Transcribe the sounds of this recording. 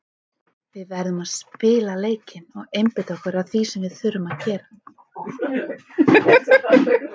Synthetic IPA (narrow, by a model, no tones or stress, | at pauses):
vɪðvɛɾðʏmaðspɪːlaleːjcɪnɔɣejmpɪt̪aɔhkʏɾawθisɛmvɪð̥θʏɾːʏmaðcɛːɾa